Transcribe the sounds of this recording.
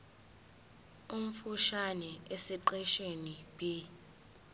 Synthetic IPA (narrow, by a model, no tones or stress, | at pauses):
um̩fuʃanɛesiǃɛʃenibi